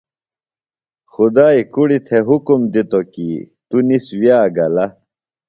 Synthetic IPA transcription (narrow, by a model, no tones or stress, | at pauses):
xud̪aːikuɽit̪ʰeɦukumd̪it̪okḭ | t̪uniswjaːɡɐlɐ